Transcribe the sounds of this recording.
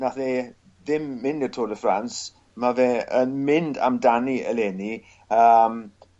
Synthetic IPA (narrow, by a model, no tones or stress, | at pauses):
naθe | ðɪmːɪndətʰoːdəfrans | mavɛːənmɪnda̰mdaniəleni | əm